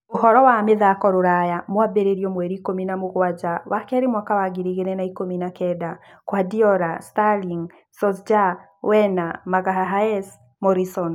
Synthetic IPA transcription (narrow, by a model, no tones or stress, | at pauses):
oɦɔɾɔwameðakɔɾoɾajamwabeɾeɾjɔmwɛɾiːkominamoɣwad͡ʒawakɛɾemwakawaɡiɾiɣenɛnaikominakɛda | kwadiɔɾastaliŋ | sɔsd͡ʒa | wɛnamaɣaɦaɦaɛs | mɔɾisɔn